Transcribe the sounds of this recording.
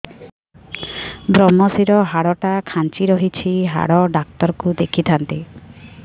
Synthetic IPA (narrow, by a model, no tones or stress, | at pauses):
bɾɔmːɔsiɾɔɦaɽɔʈakʰãnt͡ʃiɾɔɦit͡ʃʰiɦa̰ɽɔɖak̚t̪ɔɾkud̪ekʰit̪ʰant̪i